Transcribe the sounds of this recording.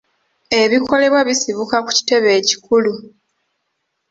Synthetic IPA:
e̞βiko̞le̞βwaβisiβukaku̥ci̥te̞βe̞ːci̥kulu

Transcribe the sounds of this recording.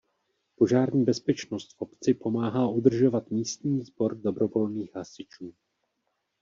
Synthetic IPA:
po̞ʒaːɾɲiːbɛspɛt͡ʃnost̪fʔo̞pt͡sɪpo̞maːɦaːʔud̪r̩ʒo̞vat̪miːst̪ɲiːzbo̞ɾdo̞bɾo̞vo̞lniːxɦasɪt͡ʃuː

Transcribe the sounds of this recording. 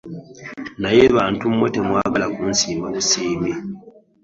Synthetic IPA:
najeβaːntumwetemwaːɡalakuːnsiːmbaβusiːmi

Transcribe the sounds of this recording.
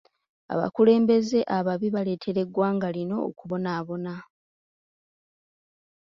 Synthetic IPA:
a̰βa̰kule̞ːmbe̞ze̞ʔaβaβiβale̞ːtʰe̞ɾe̞ɡwaːŋɡalino̞̰ːkuβo̞naːβo̞na

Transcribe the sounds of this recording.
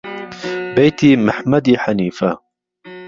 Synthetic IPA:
bɛjt̪ʰiːmɨħmɐd̪iːħaniːfɐ

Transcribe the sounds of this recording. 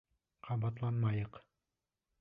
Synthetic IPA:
qʰɑbɑt̪lˠɑnmɑjɤq

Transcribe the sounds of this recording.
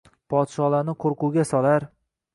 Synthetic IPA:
pʰɒt̪ʃɒlaɾnɪqʰoɾqʰʊɡʲasɒlaɾ

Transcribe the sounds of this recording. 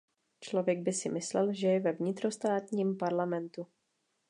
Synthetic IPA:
t͡ʃlo̞vjɛɡ̚bɪsɪmɪslɛlʒɛjɛvɛvɲɪt̪ɾo̞st̪aːt̪ɲiːmpaɾlamɛnt̪u

